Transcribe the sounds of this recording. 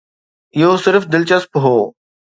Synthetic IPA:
ɪɦoːsɪɾfd̪ɪlt͡ɕəspɦoː

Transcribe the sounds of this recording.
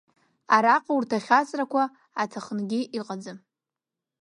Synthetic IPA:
aɾaqʼaurtʰaχʲat͡sʼrakʷʰa | atʰaχənɡʲiʔiqʼad͡zɨm

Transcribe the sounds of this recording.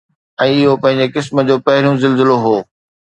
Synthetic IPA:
ɛ̃ːɪɦopɐ̃ɦɪ̃ɲ̆d͡ʑekɪsmə̆d͡ʑoːpɐɦɪɾijũzɪlzɪloɦoː

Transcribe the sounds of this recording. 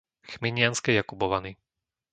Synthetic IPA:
xmiɲɪanskɛjakubɔʋani

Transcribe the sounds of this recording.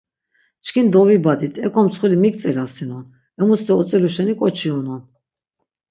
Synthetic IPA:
t͡ʃkʰind̪ɔvibad̪it̪ʰɛkʰɔmt͡sʰχulimik̚ʼt͡sʼɛlasinɔn | ɛmust̪ɛɔt͡sʼɛluʃɛnikʼɔt͡ʃʰiɔnɔn

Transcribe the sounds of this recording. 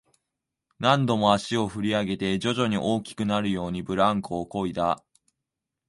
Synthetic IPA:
nãnd̪o̞mo̞aɕio̞ɸɯ̟ɾʲiaɡe̞t̪e̞d͡ʑo̞ʑo̞ɲ̟iʔo̞ːkʲi̥kɯ̟naɾɯ̟jo̞ːɲ̟ibɯ̟ɾãŋkoːko̞id̪a

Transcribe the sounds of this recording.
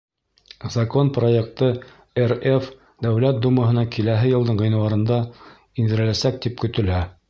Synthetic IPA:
zɐko̞npro̞jek̚t̪ɤ | eref | d̪æwlæt̪̚d̪umɤ̆ɦɤ̆nɑkʰilæɦɘjɤ̆lˠd̪ɤɴʁɤ̆jnɤ̆w̪ɑɾɤ̆nd̪ɑ | ind̪ɘ̆ɾɘ̆læsæk̚t̪ipkɵ̆t̪ɘ̆læ

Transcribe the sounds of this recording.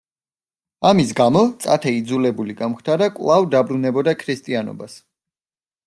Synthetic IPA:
amisɡamɔt̪sʼat̪ʰɛid̪zulɛbuliɡamχt̪ʰaɾakʼlˠavd̪abɾunɛbɔd̪akʰɾist̪ʼianɔ̰bas

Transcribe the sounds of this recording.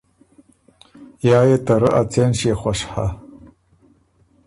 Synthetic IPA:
jaːjɛtʰɐɾɨʔat͡sʰenʃeχʷaʂħa̰

